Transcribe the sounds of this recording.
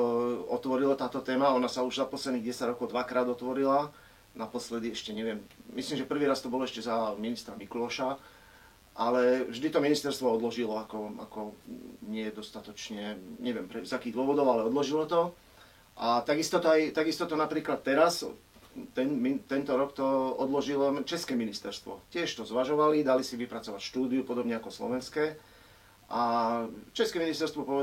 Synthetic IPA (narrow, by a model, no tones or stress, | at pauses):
ɔt̪ʋɔɾilat̪aːt̪ɔt̪ɛːmaɔnasauʒzapɔslɛd̪niːɣɟɛsaɟɾɔkɔʊd̪ʋakɾaːd̪ɔt̪ʋɔɾila | napɔslɛd̪iɛʃcɛɲɛʋɪɛmmislimʒɛpr̩ʋiːɾast̪ɔbɔlɛʃcɛzaminist̪ɾamikulɔʃa | ʔalɛvʒd̪it̪ɔminist̪ɛɾst̪ʋɔɔd̪lɔʒilɔakɔa̰kɔɲɪɛɛd̪ɔst̪at̪ɔt͡ʃɲɛɲɛʋɪɛmpɾɛzakiːɣd̪ʊɔʋɔd̪ɔʊalɛɔd̪lɔʒilɔt̪ɔ | ʔat̪aɡist̪ɔt̪ɔajt̪aɡist̪ɔt̪ɔnapɾiːklat̪ːɛɾas | t̪ɛnmit̪ɛnt̪ɔɾɔkt̪ɔɔd̪lɔʒilɔt͡ʃɛskɛːminist̪ɛɾst̪ʋɔ̰cɪɛʃt̪ɔzʋaʒɔʋalid̪alisiʋipɾat͡sɔʋacʃt̪uːd̪iupɔd̪ɔbɲɛakɔslɔ̰ʋɛnskɛː | ʔa | t͡ʃɛskɛːminist̪ɛɾst̪ʋɔpɔʋɛ